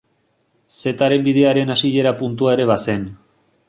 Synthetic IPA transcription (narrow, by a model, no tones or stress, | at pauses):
se̞t̪aɾe̞mbiðe̞aɾe̞nasiʎe̞ɾapunt̪̬uae̞ɾe̞β̞ase̞n